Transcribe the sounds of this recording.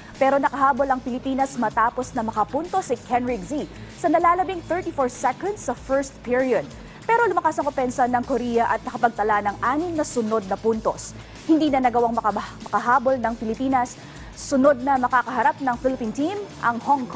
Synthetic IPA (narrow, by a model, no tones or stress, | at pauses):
pɛːɾo̞nɐkɐɦaːbolɐŋpɪlɪpiːnɐsmɐt̪aːpo̞snɐmɐkɐpunt̪o̞sikʰɛnɹɪɡzi | sɐnɐlaːlɐbiŋθɛɹt̪ifoɹsɛkɐnd̪sɐfɛɹst̪̚piɹiod̪̚ | pɛɾo̞lʊmɐkasɐŋkopɛnsɐnɐŋkoɾijɐʔɐt̪̚nɐkɐpɐɡ̚t̪ɐlanɐŋʔaːnɪmnɐsʊnod̪̚nɐpunt̪o̞̰s | hɪnd̪iːnɐnɐɡɐwaŋmɐkɐmɐkɐɦaːbolnɐŋpɪlɪpiːnɐsː | ʊno̞d̪̚nɐmɐkaːkɐɦɐɾap̚nɐŋfɪlɪpiːnt̪imʔɐŋhoŋk